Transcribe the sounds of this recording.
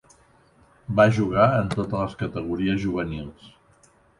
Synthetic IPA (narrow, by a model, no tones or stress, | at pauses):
baʒuɣ̞aənt̪ot̪ələskət̪əɣuɾiəzʒuβ̞ənilˠs